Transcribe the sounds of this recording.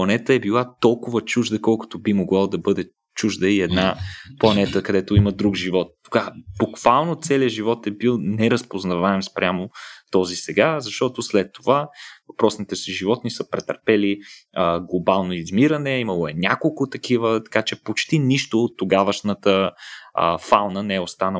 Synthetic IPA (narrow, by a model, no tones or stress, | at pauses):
plˠɐnɛt̪əɛbilˠat̪ɔlˠkʊvət͡ʃuʒd̪əkɔlˠkʊ̥t̪obimoɡlˠalˠd̪ɐbɤd̪ɛ | t͡ʃuʒd̪əiɛd̪naplˠɐnɛt̪əkɐd̪ɛt̪ʊimɐd̪ɾuɡʒivɔt̪̚ːo̥ɡ̥abukvalˠnot̪sɛliəʒivɔt̪ɛbilˠnɛɾɐspoznɐvaɛmspɾʲjamot̪ɔzisɛɡazɐʃt̪ɔt̪oslɛt̪ːovavɐpɾɔsnit̪ɛsiʒivɔt̪nisəpɾɛt̪ɐɾpɛliəɡlˠobalˠnoizmiɾənɛimɐlˠoɛnʲakolˠkʊt̪ɐkivət̪ɐ̥kat͡ʃɛpot͡ʃt̪iniʃt̪oːt̪ːoɡavəʃnət̪əə̰falˠnənɛɛost̪anə